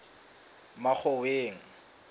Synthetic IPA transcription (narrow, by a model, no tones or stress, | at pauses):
mak͡xʰɔweːŋ̩